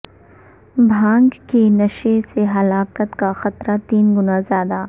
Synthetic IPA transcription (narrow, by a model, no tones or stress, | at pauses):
bʱãːŋɡkinɐʃeseɦɐlaːkət̪kaxɐt̪ɾat̪iːnɡʊnazjaːd̪aː